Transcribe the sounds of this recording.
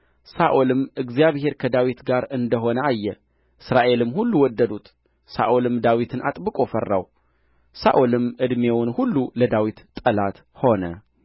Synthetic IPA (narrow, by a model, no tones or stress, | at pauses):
saʔolɨmɨɡzijaβhe̞ɾkʰəd̪awit̪ɡaɾɨnd̪əɦo̞nəʔajːɛ | ʔɨsɾaʔe̞lɨmhulːuwɔd̪ːəd̪ut̪ | sa̰ʔolɨmd̪awit̪ʰɨna̰t̪ʼbɨkʼo̞fərːa̰w | sa̰ʔolɨmɨd̪mewʊnhulːuləd̪awit̪t̪ʼːəlat̪ | ho̞nə